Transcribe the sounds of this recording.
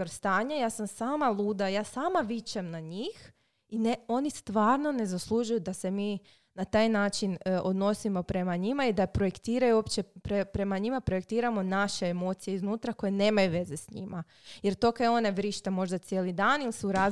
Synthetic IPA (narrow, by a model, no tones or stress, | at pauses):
oɾst̪aːɲajaːsamsaːmalˠuːd̪ajaːsaːmaʋit͡ɕamnaɲiːx | ineo̞nist̪ʋaːɾno̞ne̞zaslˠuʒujud̪ase̞miː | nat̪aːjnaːt͡ʃinʔod̪no̞simo̞pɾe̞maɲimaid̪apɾo̞jekt̪iːɾajuopt͡ɕepɾepɾe̞maɲimapɾo̞je̞kt̪iːɾamo̞naʃe̞emo̞ːt̪sije̞iznuːt̪ɾako̞jene̞ːmajuʋe̞ze̞sɲḭma | je̞ɾt̪o̞kaeo̞neʋɾiʃt̪amo̞ʒd̪at̪sjelid̪aːnilsuɾaː